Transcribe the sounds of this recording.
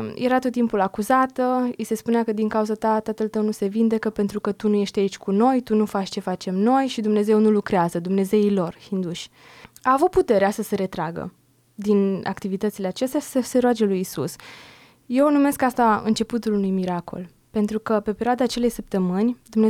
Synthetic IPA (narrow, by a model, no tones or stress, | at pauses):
jʔeɾat̪ot̪ːimpulakuzat̪əise̞spuneakəd̪iŋkauzat̪at̪at̪əlt̪əwnuse̞vind̪e̞kəpe̞nt̪ɾukət̪unuje̞ʃt̪ʲait͡ʃʲkuno̞jt̪unufat͡ʃt͡ʃe̞fat͡ʃe̞mno̞jʃid̪umne̞ze̞wnulukɾeazəd̪umne̞ze̞ilo̞rhind̪uʃʲ | aːvut̪̚put̪e̞ɾeasəse̞ɾe̞t̪ɾaɡə̰ | d̪ina̰kt̪ivit̪ət̪sileat͡ʃe̞st̪jasə̥sese̞ɾoad͡ʒe̞lujisṵs | je̞wnume̞skast̪aɨ̰nt͡ʃe̞put̪ulunujmiɾako̞̰l | pe̞nt̪ɾukəpe̞pe̞ɾʲioad̪aːt͡ʃe̞le̞jsəp̚t̪əmɨnʲd̪umne